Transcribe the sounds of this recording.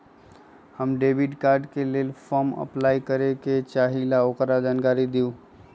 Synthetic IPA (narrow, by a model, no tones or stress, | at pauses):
həmɖebʱiʈkaɾɖkelelpʰəmə̰plaikəɾeket͡ʃaɦilaokɾad͡ʒankaɾid̪iu